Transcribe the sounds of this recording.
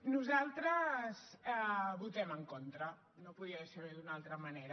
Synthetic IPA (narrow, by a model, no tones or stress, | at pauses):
nuzalˠt̪ɾəzɛβut̪ɛməŋkont̪ɾə | nopuðiəseɾiðunalˠt̪ɾəmɐneɾə